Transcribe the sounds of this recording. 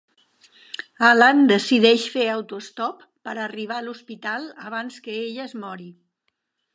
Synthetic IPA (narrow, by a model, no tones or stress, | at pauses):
aland̪əsiðɛʃfeəwt̪uəst̪ɔpːəɾəriβ̞aluspit̪alˠəβ̞anskəeʎəəzmɔɾi